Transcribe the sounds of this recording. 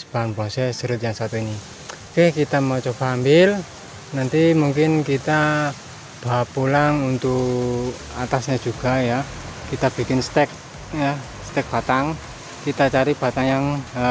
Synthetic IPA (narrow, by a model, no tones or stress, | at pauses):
səb̥aɦanpɔsɛsəɾʊt̪jaŋsat̪uini | kɛhkit̪amɔt͡ʃɔpambɪl | nant̪imuŋkɪnkit̪a | b̥apulaŋunt̪uk | at̪asɲad̥ʒ̥ṳɡ̥a̤ja | kit̪ab̥i̤kɪnst̪ɛk̚ | ja | st̪ɛk̚b̥a̤t̪aŋ | kit̪at͡ʃaɾib̥a̤t̪aŋjaŋ